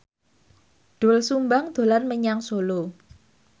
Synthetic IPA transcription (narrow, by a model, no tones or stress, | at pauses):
ɖ̥olsumbaŋd̪̥o̤larməɲaŋsolo